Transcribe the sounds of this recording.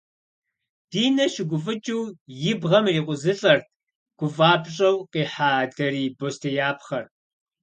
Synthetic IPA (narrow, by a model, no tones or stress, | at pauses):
d̥iːnɐʃɪɡʷʊfʼɨd͡ʒʼɪwjɪbʁɐmriːqʷʼʊzɨɬʼɐrt̚ʰ | ɡ̥ʷʊfʼaːbɕʼɐwqiːħaːdɐriːbostʰejaːpʰχɐr